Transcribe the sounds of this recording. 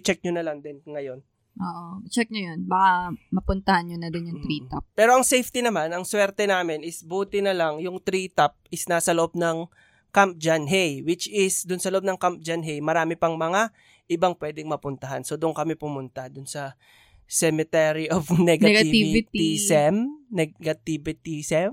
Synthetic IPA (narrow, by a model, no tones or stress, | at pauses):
t͡ʃɛk̚ɲonɐlɐŋd̪ɛnŋɐjo̞n | ʔoːʔot͡ʃɛk̚ɲojonbakamɐpʊnt̪ɐhanɲonɐd̪ɪnjʊŋt̪ɾiːt̪ɐp̚pːɛːɾo̞ʔɐŋsejft̪inɐmanɐŋswɛɾt̪ɛnaːmɪnɪsbuːt̪ɪnɐlɐŋjʊŋt̪ɾiːt̪ɐp̚ɪsnaːsɐlɐʔob̚nɐŋ | kamp̚d͡ʒanɦejwɪt͡ʃɪsd̪ʊnsɐlɐʔob̚nɐŋkamp̚d͡ʒanɦejmɐɾaːmɪpɐŋmɐŋa | ʔɪbaŋpwɛːd̪ɪŋmɐpʊnt̪ɐɦanso̞d̪ʊʔoŋkɐmɛpʊmʊnt̪ad̪ʊnsɐ | sɛmɛt̪ɛɾiʔofnɛɡɐɡɐiɪisɛmnɛɡɐt̪ibɪt̪isɛm